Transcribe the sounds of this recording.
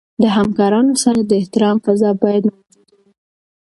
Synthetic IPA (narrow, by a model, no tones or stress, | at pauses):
d̪əɦamkɑɾɑnosaɾad̪əɪht̪ɪɾɑmfazɑbɑjad̪nawaaɡi